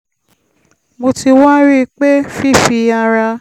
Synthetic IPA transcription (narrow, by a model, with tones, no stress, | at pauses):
mo˧ti˧wa˦ɾi˦˧k͡pe˦fi˦˨fi˧a˧ɾa˧